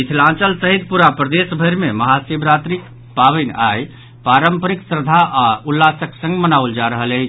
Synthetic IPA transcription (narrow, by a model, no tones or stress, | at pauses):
it̪ʰlãt͡ʃəlsəɦit̪̚puɾapɾəd̪esbʱəɾmeməɦasibɾat̪ɾik | paβənaj | paɾəmpəɾiksəɾd̪ʱaʔaulːasəksə̃ŋɡmənauld͡ʒaɾəɦələt͡ʃʰ